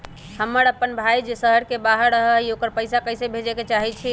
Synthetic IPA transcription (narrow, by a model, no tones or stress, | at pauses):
həmːəɾəpːənbʱajd͡ʒesəɦəɾkebaɦəɾɾəɦəiokəɾpəjsakəɪsebʱed͡ʒeket͡ʃaɦit͡ʃʰi